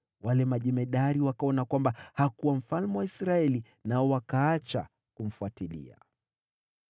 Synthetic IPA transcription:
walɛmaʄɛmɛɗaɾiwakaɔnakwambahakuwam̩falmɛwaisɾaɛli | naɔwakaat͡ʃa̰ | kum̩fuatilḭa̰

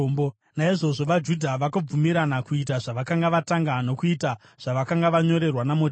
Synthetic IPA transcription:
bo | naiʐo̞ʐo̞ʋad͡ʒudʱaʋakab͡vumiɾanakuitaʐaʋakaŋɡaʋataŋɡano̞kuita | ʐ̥aʋakaŋɡaʋaɲo̞ɾe̞rwanamo

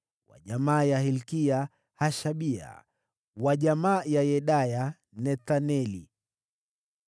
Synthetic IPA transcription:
wa̰ʄamaːjahilkia | haʃaɓia̰ | waʄamaːjajɛɗaja | nɛt̪anɛlḭ

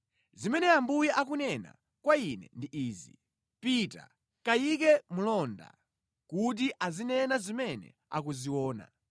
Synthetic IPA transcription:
zimɛnɛambujiʔak̬unɛna̰ | kwainɛ̰ndiʔiːzḭ | pita̰ | kajik̬ɛmulɔnda̰ | kut̬iʔazinɛnazimɛnɛ̰ | a̰k̬uziwɔːna̰

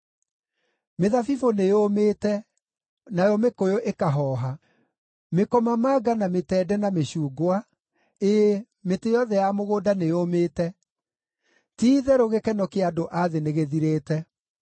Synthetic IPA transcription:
meðafifonejomeːtɛ | najɔmekojoʔekaɦɔːɦa | mekɔmamaːɡanametɛːdɛnameɕuːɡoa | e | metejɔðɛjamoɣoːdanejomeːtɛ | tiːðɛɾoɣekɛnɔkeadoʔaðeneɣeðiɾeːtɛ

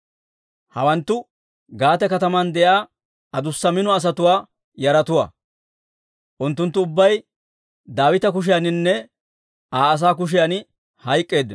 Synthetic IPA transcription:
hɐ̰wɐnt̪ːʊ | ɡaːt̪ɛkɐt̪ɐmɐnd̪ɛjaː | ɐd̪ʊsːɐmɪnɔɐs̬ɐt̪ʊwaː | jɐɾɐt̪ʊwa̰ː | ʔʊnt̪ːʊnt̪ːʊːbːɐj | d̪aːwɪt̪ɐk̬ʊʃ̬ɪjanɪnːɛ | aːɐs̬aːk̬ʊʃ̬ɪjan | hɐjkʼːe̞ːd̪ːɪ

